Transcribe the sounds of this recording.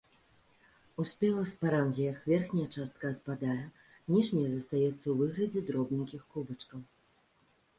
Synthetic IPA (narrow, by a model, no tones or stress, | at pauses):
usʲpʲɛlˠɐspaɾanɣʲijɐxvʲɛrxnʲɐjɐt͡ʂast̪̚kɐːt̪̚pad̪ajɛ | nʲiʐnʲɐjɐzɐst̪ajɛt̪sːɐwvɨɣlʲɐd͡zʲɛd̪ɾɔbnʲikʲixkubɐt͡ʂkɐw